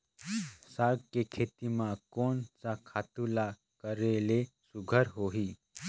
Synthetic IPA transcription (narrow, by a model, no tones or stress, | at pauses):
saɾɡkekʰet̪imãkoːnt͡ʃakʰat̪ula | kəɾelesuɡʱəɾɦoɦi